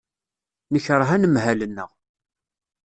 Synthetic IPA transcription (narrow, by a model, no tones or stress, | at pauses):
nəçɾˤəɦænəmɦælənːə̰ʁ